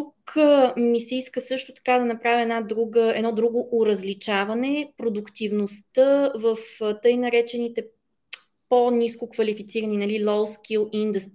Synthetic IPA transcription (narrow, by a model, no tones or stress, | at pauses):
t̪ukmisɛiskəsɤʃt̪ot̪ɐ̥kad̪ɐnɐpɾavʲiɛd̪nad̪ɾuɡəɛd̪nɔd̪ɾuɡoʔoɾɐzlit͡ʃavɐnɛpɾod̪ʊkt̪ivnost̪əvəft̪ɤjnɐɾɛt͡ʃɛnit̪ɛ | poniskokvɐlifit̪siɾəninɐlilˠɔlˠskilˠind̪əst̪i